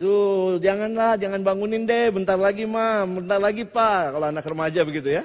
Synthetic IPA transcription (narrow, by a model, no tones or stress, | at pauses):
t̪ud͡ʒaŋanlahd͡ʒaŋanbaŋunɪndɛbənt̪arlaɡimabənt̪arlaɡipaʔkaloanakrəmad͡ʒabəɡit̪uja